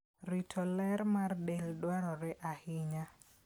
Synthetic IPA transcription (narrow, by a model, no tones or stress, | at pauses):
ɾitʰɔlɛɾmardeldwaɾɔɾɛʔahɪɲa